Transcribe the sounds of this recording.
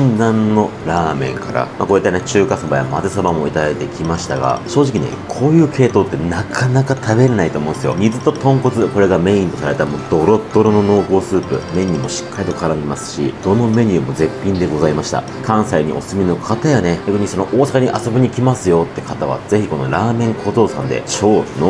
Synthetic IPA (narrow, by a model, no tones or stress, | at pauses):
nd̪ãnːo̞ɾaːmẽ̞̰ŋka̰ɾa̰mako̞it̪ːenet͡ɕɨːkasobaja̰mazesobamo̞it̪ad̪ait̪e̞kʲimaɕi̥t̪aɡa̰ɕo̞ːʑikʲinḛkʰo̞ːjɯ̟ːkʰe̞ːt̪oːt̪ːe̞nakʰanakat̪ʰabe̞ɾenait̪o̞ːmõnd̪esɨjo̰mizɨt̪o̞t̪õ̞ŋko̞t͡sɨko̞ɾe̞ɡame̞ĩnt̪o̞saɾaɾet̪amod̪̥o̞ɾo̞t̪ːo̞ɾono̞no̞ːko̞ːsɨːpɯ̟̰me̞ɲ̟ːimo̞ɕi̥kːaɾit̪o̞kʰaɾamimasɨ̥ɕḭd̪̥o̞no̞me̞ɲ̟ʲɨɯmo̞ze̞pʲːĩnd̪e̞ɡo̞zaimaɕi̥t̪a̰ | kʰãɰ̃saiɲ̟ḭʔo̞̰sɨmʲino̞kʰat̪ajane̞kʲakɯ̟ɲ̟iso̞no̞ʔoːsakaɲ̟iʔaso̞biɲ̟ikʲimasɨjo̞t̪ːe̞kat̪aβ̞a̰ze̞çiko̞no̞ɾaːmẽ̞ŋkʰo̞ːzo̞ːsã̰nd̪e̞̰ɕo̞ːno